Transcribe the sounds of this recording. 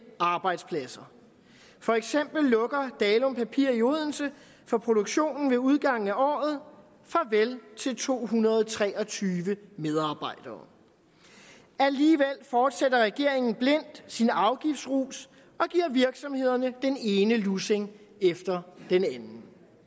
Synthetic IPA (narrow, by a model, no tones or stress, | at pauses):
ɑ̈ːb̥ɑ̈ɪd̥spʰlæsɐ | fɒ̽eɡ̥sem̰b̥l̩ːɔ̽ɡ̥ɐd̥ɛːlɔ̽mpʰæpʰiɐ̰ioð̞ˠn̩sə | fɒ̽pʰʁo̝ɾ̥o̝ɡ̥ɕo̝̰ːnn̩ʋe̝uð̞ˠɡ̥ɑ̈ŋ̰n̩æʔɒ̰ːð̞̩ˠ | fʁɑ̈ʋelt͡sʰe̝lt͡sʰo̝̰ːɦunɐð̞ˠt͡sʰʁɛːɒ̽t͡sʰyːʋəmeð̞ˠɑ̈ːb̥ɑ̈ɪd̥ɐː | æliːʋel̰fɒːd̥sedɐʁɛɡ̥e̝ɐ̰eŋn̩b̥le̝n̰d̥sinɑ̈ʊɡ̥ifd̥sʁṵːs | ɒ̽ɡ̥iɐʋiɐɡ̥sɒ̽mhe̝ð̰ˠɐnəd̥ene̝ːnəluseŋ | efd̥ɐd̥enænn̩